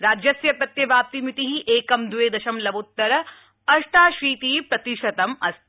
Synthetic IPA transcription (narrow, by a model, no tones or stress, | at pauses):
ɾaːd͡ʒjɐsjɐpɾɐt̪jɐbaːp̚t̪imit̪iɦiʔeːkɐmd̪uʋeːd̪ɐʃɐmlɐbut̪ːɐɾɐ | ɐʃʈaːʃɾiːt̪iːpɾɐt̪iʃɐt̪ɐmɐst̪